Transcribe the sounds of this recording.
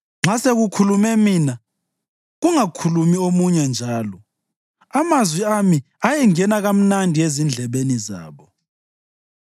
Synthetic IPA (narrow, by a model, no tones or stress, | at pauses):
ŋ͡ǁaseɣukʰulumɛmiːna | ɣuŋakʰulumiomuɲɛnd͡ʒʱaːlɔ | amazwiami | ajɛŋɛnaɣam̩nandʱiezind͡ɮʱɛβeniza̰ːβɔ